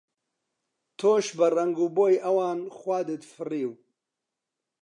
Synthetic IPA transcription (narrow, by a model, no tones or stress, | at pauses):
t̪ʰoːʃbɐrɐŋɡuːboːjʔɐwɑːnxwaːd̪ɨt̪fɨriːw